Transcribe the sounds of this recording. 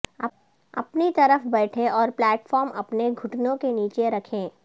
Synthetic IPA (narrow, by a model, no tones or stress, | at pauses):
ɐ̰pnit̪ɐɾəfbɛːʈʰeʔɔːɾplɛːʈfɔːɾmɐpneɡʱʊʈnõkeniːt͡ʃeɾɐkʰẽː